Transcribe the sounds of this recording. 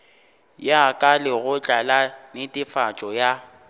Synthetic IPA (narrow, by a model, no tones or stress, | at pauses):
jakʼalɪɣʊt͡ɬʼalanɪtʼɪfat͡ʃʼɔja